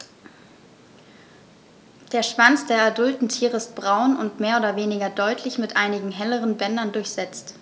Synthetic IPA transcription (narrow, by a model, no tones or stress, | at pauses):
d̥eːɐʃv̥ant͡sd̥eːɐɛɐdʊltn̩tʰiːʁəɪst̚b̥ʁaʊnʊntmeːɐoːdɐveːnɪɡɐdɔʏtʰlɪçmɪtʔaɪnɪɡŋ̩ɦɛləʁənbɛndɐndʊɐçz̥ɛt͡st